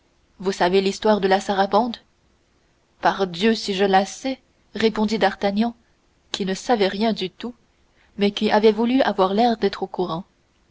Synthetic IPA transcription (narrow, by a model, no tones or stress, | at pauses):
vusavelist̪waʁd̪əlasaʁabɑ̃d̪ | paʁd̪jøsiʒəlasɛ | ʁepɔ̃d̪id̪aʁt̪anjɑ̃ | kʲinəsavɛʁjɛ̃d̪yt̪u | mɛkʲiʔavɛvulyavwaʁlɛʁd̪ɛt̪χokuʁɑ̃